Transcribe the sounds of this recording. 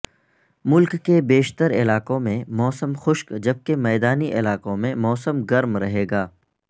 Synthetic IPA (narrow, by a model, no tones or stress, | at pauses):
mʊlkːebeːʃt̪əɾɪlaːqõmẽmɔːsəmxʊʃkd͡ʒɐb̚kemɛːd̪aːniʔɪlaːkõmẽmɔːsəmɡɐɾmɾɐɦeːɡaː